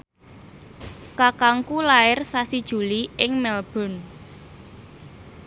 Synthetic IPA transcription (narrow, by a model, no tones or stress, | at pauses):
kakaŋkulaɪrsasid̥ʒ̥ṳliɪŋmɛlb̥ɔ̤n